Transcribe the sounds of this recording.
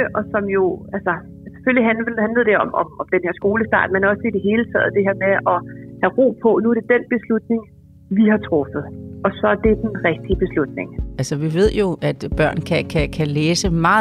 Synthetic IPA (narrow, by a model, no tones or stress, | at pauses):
ʔɒ̽sɒ̽mjo̝ælsɒ | se̥føliɦænhænləð̞̩ˠd̥eɒ̽mɒ̽mɒ̽md̥enhe̝ɐ̰sɡ̥o̝ːləsd̥ɑ̰̈ːd̥menɒ̽səid̥e̝ɦe̝ːlət͡sʰɛ̰ːð̞̩ˠd̥e̝ɦeɐ̰meʔɒ̽hæʁo̝̰ːpʰɒ̽nuæɐɾ̥e̝d̥enb̥e̝slud̥ne̝ŋ | ʋihɑ̈t͡sʰʁɔ̽fəð̞̩ˠʔɒ̽sɒ̽æɐd̥e̝d̥enʁɛɡ̥̚d̥ib̥e̝slud̥ne̝ŋælsəʋiʋe̝ð̞̰ˠjo̝ʔæd̥b̥ɶɐ̰nkʰækʰækʰæleːsəmɑ̈ː